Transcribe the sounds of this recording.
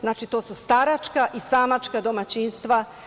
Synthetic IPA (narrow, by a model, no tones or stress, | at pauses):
znaːt͡ʃit̪o̞ːsust̪aɾat͡ʃkaʔisaːmat͡ʃkad̪omat͡ɕiːnst̪ʋa